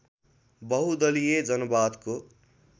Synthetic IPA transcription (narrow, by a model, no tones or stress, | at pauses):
bʌɦud̪ʌlijed͡zʌnʌbaːd̪ko